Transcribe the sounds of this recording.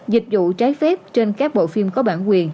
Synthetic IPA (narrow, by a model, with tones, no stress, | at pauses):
zï˨˩k̟̚zṵ˧˨t͡ɕaː˨˦jfɛ˦˥p̚t͡ɕe˧nkaː˦˥k̚ɓo̰˧˨fi˧əmkɔ˨˦ɓaː˧˩nkwi˨˩ən